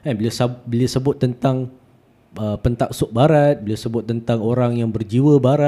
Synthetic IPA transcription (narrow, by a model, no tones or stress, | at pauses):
ɛnbəliasabəliasəbʊt̪ːənt̪aŋ | əpənt̪ak̚sʊk̚baɾat̪̚bəliawsəbʊt̪̚ːənt̪aŋoɾaŋjaŋbərd͡ʒiwəbaɾa